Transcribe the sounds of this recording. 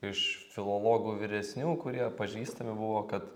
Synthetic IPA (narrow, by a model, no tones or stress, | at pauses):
ɪʃfʲɪlˠoːlˠoːɡuːʋʲɪɾʲɛsʲnʲuːkʊɾʲiɛpɐʒʲiːst̪ɐmʲɪbʊʋoːkɐt̪